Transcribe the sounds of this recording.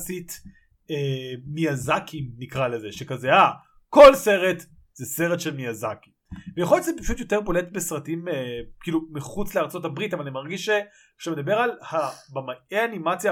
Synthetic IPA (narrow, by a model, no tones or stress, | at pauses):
sit | emijazakʰimnikʁalezeʃekazea | ko̞lse̞ʁet | z̥ese̞ʁetʃelmijazaki̥ | vejaχojot͡ʃzepaʃutjo̞te̞ʁbo̞letbesʁatimekiːlumiχut͡sleaʁt͡so̞thabʁitavalanimaʁɡiʃe | ʃamed̪abe̞ʁalhabamaʔeanimat͡sja